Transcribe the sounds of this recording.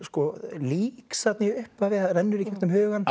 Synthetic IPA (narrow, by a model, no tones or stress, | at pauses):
skɔliːksat̪nɪʏhpavɪɣaðɾɛnːʏɾicʰɛkt̪nʏmhœːɣan